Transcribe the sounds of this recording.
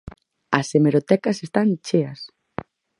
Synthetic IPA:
ɐsemeɾot̪ɛkɐsest̪ant͡ʃeɐs

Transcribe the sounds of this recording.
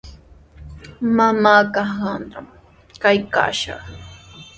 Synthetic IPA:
mamaːkahanɾam | kajka̰ːʃɑ̰χ

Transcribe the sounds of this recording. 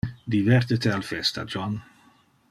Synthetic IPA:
d̪ivɛɾt̪et̪ealfɛst̪a̰d͡ʒɔn

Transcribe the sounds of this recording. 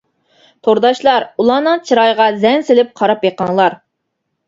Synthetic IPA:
t̪ʰoɾd̪ɑʃlˠɑɾulˠɑːnɨŋt͡ʃʰiɾɑjʁɑzɛŋsɪlɪp̚qʰɑɾɑpjeqɑŋlˠɑɾ

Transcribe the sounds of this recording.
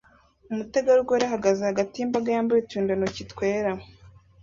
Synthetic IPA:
umuteɡaɾuɡoɾaɦaɡazehaɡatiimbaɡajaːmbaituːndanocitkwe̞ːɾa

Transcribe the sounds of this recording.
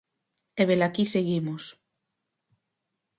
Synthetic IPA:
eβelakiseɣimʊs

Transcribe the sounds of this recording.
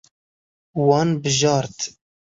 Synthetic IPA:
wɑːnbɨʒɑːɾt̪

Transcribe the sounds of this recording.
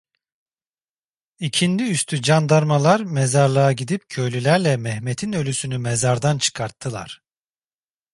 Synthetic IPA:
icʰind̪iyst̪ʰyd͡ʒand̪aɾmalˠaɾmɛzaɾlˠaaɟid̪ip̚cʰø̞jlʲylʲæɾlʲɛmɛhmet̪ʰinø̞lʲysynymɛzaɾd̪ant͡ʃʰɯ̥kʰaɾt̪ʰːɯlˠa̰ɾ̥

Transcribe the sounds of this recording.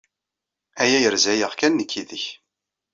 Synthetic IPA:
æjæjəɾzæjəʁkænːəkʰːiðəç

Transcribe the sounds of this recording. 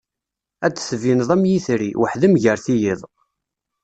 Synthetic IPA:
æt͡sːθvinðˤæmjiθɾiwəħðimʝəɾθijiðˤ

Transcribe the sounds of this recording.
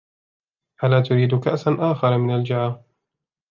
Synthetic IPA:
ʔalaːt̪ʊɾiːd̪ʊkaʔsanʔaːxɑɾˤmɪnald͡ʒaʕaː

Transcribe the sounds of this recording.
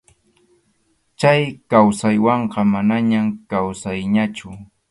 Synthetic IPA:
t͡ʃajkawsajwɑɴqɑmanaɲamkawsajɲat͡ʃʊ

